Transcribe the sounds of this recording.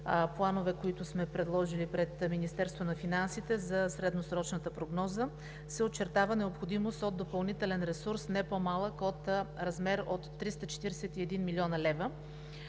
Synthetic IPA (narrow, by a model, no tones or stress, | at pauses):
plˠanovɛkoit̪ʊsmɛpɾɛd̪lˠɔʒilipɾɛt̪minist̪ɛɾst̪vonɐfinansit̪ɛzɐsɾɛd̪nosɾɔt͡ʃnət̪əpɾoɡnɔzə | sɛott͡ʃːɛɾt̪avənɛopxod̪imost̪od̪̚d̪opɐlˠnit̪ɛlɛnɾɛsuɾsnɛpomalˠəkot̪ɾɐzmɛɾot̪ːɾist̪ət͡ʃɛ̥t̪iɾɛsɛt̪iɛd̪inmilʲiɔnəlɛvə